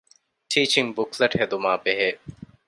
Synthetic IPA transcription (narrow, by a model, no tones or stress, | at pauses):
ʈʰiːt͡ʃiŋbuklɐʈhed̪umaːbeɦeː